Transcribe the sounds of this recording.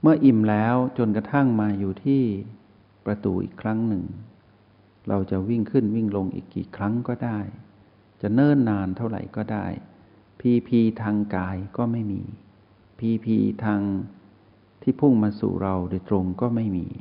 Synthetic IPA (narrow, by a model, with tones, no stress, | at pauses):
mɯ˥˩ɐʔi˨˩mlɛː˦˥wt͡ɕo˧nka˧t̪ʰa˥˩ŋmaː˧juː˨˩t̪ʰiː˥˩ | pɾa˧t̪ṵː˨˩ʔḭː˨˩kʰɾa˦˥ŋnɯ˨˩ŋ | ɾa˧wt͡ɕa˨˩wi˥˩ŋkʰɯ˥˩nwi˥˩ŋlo˧ŋʔḭː˨˩kːiː˨˩kʰɾa˦˥ŋkɔː˥˩daː˥˩j | t͡ɕa˨˩nɤː˥˩nːaː˧nt̪ʰa˥˩wɾa̰˨˩jkɔː˥˩daː˥˩j | pʰiː˧pʰiː˧t̪ʰaː˧ŋkaː˧jkɔː˥˩ma˥˩jmḭː˧ | pʰiː˧pʰiː˧t̪ʰaː˧ŋ | t̪ʰiː˥˩pʰu˥˩ŋmaː˧sṵ˨˩ɾa˧wdoː˧˩jt̪ɾo˧ŋkɔː˥˩ma˥˩jmḭː˧